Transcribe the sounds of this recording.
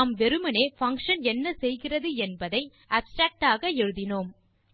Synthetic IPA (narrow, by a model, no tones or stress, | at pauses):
mʋɛɾɯmɐneːfɐŋkʂɐnɛnːɐsɛjɣɪrɐðɯɛnbɐðɐɪ | ɐːpsʈɾaːk̚ʈaːɣɐɛɻɯðɪnoːm